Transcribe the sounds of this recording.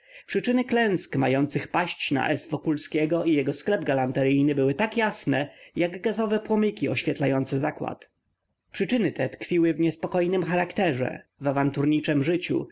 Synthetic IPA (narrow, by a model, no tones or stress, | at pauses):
pʂɘt͡ʂɘnɘklɛ̃ñskmajɔnt̪sɘxpaɕt͡ɕna̰ʔɛsvɔkulskʲɛɡɔijɛɡɔsklɛb̚ɡalant̪ɛɾɘjnɘbɘwɘt̪akjasnɛjaɡɡazɔvɛpwɔmɘkʲiɔɕfʲjɛt̪lajɔnt̪sɛzakwa̰t̪ | pʂɘt͡ʂɘnɘt̪ɛt̪kfʲiwɘvɲɛspɔkɔjnɘmxaɾakt̪ɛʐɛ̰vavant̪uɾɲit͡ʂɛmʐɘt͡ɕṵ